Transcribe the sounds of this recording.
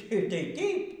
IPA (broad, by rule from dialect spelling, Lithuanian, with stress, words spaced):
ˈtɐɪ ˈtɐɪ ˈtʲeːɪp